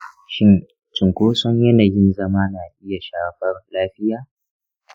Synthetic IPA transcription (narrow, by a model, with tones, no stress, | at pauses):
ʃɪ˦n | t͡ʃɪ˨ŋkʷoː˦sɔ˦ɲjɐ˦na˨jɪ˦nzɐ˦maː˦naː˨ʔɪ˦ja˨ʃaː˦ɸɐ˦rlaː˦ɸɪ˦jaː˦